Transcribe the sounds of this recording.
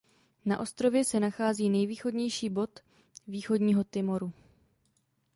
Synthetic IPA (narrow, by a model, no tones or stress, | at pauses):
na̰ʔo̞st̪ɾo̞vjɛsɛnaxaːziːnɛjviːxo̞dɲɛjʃiːbo̞t̪ | viːxo̞dɲiːɦo̞t̪ɪmo̞ɾu